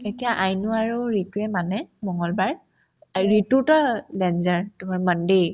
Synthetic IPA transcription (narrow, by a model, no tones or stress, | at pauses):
etijaʔajnʊaɹuɹituɛmanɛmɔŋɔlbaɹ | ɹitutɔdɛnzaɹtʊmaɹmande